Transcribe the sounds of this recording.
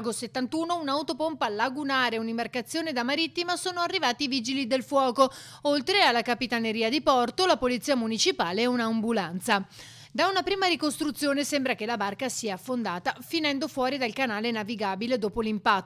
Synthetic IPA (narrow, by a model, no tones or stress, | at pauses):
ɡoset̪ːant̪uːnounaut̪opompalːaɡunaːɾeunimbarkat̪sːjoːned̪amaɾit̪ːimasoːnoarːivaːt̪iviːd͡ʒilid̪elfwɔːko | olt̪ɾealːakapit̪aneɾiːad̪ipɔrt̪olapolit̪sːiːamunit͡ʃipaːleɛunambulant̪sa | d̪aunapɾiːmaɾikost̪ɾut̪sːjoːnesɛmbɾak̟elabarkasiːaːfːond̪aːt̪afinɛnd̪ofwɔːɾid̪alkanaːlenaviɡaːbiled̪oːpolimpat̪ː